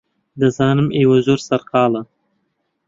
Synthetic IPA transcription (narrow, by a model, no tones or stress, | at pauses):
d̪əzɑːnɨmewazoɾsaɾqɑːlə